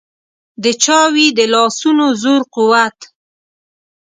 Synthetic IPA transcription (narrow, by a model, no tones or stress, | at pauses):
d̪ət͡ʃɑwid̪əlɑsunozoɾquwat̪